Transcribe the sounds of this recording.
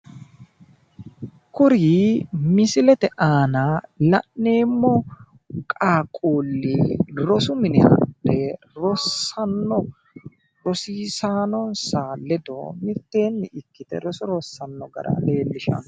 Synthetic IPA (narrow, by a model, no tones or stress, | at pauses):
kʊɾiːmɪsɪlɛt̪ɛʔaːnalɐ̰ʔnːe̞ːmːɔ | kʼaːkʼuːlːiɾɔsʊmɪnɛhɐ̰ɗɛ | ɾɔsːɐnːɔ | ɾɔsiːsaːnɔnsaːlɛd̪o̰mɪɾt̪ːe̞ːnːɪʔɪkːɪd̪ɛɾɔsɔɾɔsːɐnːɔɡɐ̰ɾɐ̰leːlːɪʃɐ̰n